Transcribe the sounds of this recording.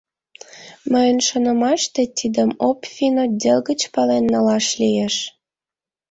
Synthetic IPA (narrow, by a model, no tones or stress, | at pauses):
məjənʃonə̆mɑʃt̪et̪id̪əmopfʲinod̪ʲelɣət͡ɕpɑlenːəlɑʃlijeʃ